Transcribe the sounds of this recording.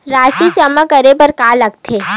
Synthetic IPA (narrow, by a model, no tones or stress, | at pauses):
ɾaːsit͡ʃɐməkɐɾepɐɾkaːlɐɡ̚t̪ʰeː